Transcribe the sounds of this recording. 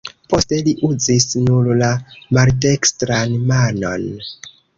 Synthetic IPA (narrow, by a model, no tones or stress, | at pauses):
po̞ste̞liʔuzisnuɾlamaltekstɾanmano̞̰n